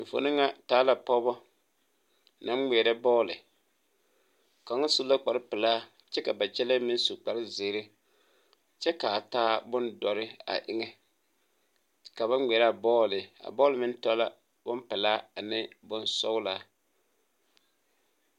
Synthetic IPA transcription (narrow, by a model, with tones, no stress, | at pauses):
ɱ̩˨fo̰˨nɨ˦ŋa˦taː˨˦la˨pɔ˦bɔ˦ | na˨˦m˦ŋ˨ɛ˨ɾa˦bɔː˦lɪ˨ | ka˨ŋɔ˦su˦la˦k͡pa˨ɾɪ˦pɪ˨laː˦ | t͡ʃɛ˦ka˨ba˨t͡ʃɛ˦la˦mɪ˦n˦su˨k͡pa˨ɾɪ˦zɪ˨˦ɾɪ˦ | t͡ʃɛ˦ka˨taː˦bʊ˦ndɔ˨ɾɪ˦a̰˨ʔɪ˦ŋɛ˦ | ka˨ba˦˨ɛ˨ɾa˦˨bɔː˦lɪ˨a̰˨bɔː˦lɪ˨mɪ˦n˦tɔ˦la˦ | bʊ˦mpɪ˨laː˦a˨nɪ˦bʊ˦nsɔ˦wla˦